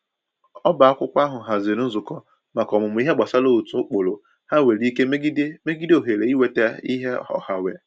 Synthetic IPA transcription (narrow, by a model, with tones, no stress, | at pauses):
ɔ˦ba˨a˦kʷʊ˦kʷa˦ɦʊ˨ɦa˨ze˨ɾ̩˦zʊ˨kɔ˦ | ma˨kɔ˨mʊ˨mʊ˨˦i˦ɦe˦ɡ͡ba˨sa˦lo˦u˨tu˦ʊ˦k͡po˨lo˨ | ha˦we˨li˦ke˦me˦ɡi˦de˦me˦ɡi˦do˨ɦe˨ɾe˨i˦we˨te˦i˦ɦe˦ɔ̰˨ha˨we˨